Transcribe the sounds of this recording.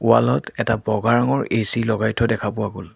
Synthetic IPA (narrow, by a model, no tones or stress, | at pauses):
uwa̰lɔtɛtabɔɡaɹaŋɔɹesilɔɡajtʰːɔdɛkʰapʊwaɡol